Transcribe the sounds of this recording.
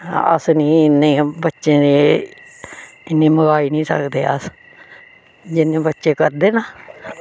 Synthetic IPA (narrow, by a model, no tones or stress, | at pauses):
ə̰sniːɪnːẽːbətːʃẽːd̪eː | ɪnːẽːməɡaːiːnĩːsə̰kd̪eːə̰s | d͡ʒɪnːẽːbətːʃeːkəɾd̪eːnaː